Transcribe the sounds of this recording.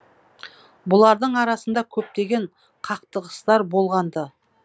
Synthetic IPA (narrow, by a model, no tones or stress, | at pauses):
bʊlˠɑɾd̪əɴɑɾɑsənd̪ɑkʲʰɵp̚t̪e̞ɡʲe̞ɴ | qʰɑq̚t̪əʁəst̪ɑɾbo̞lˠʁɑnd̪ə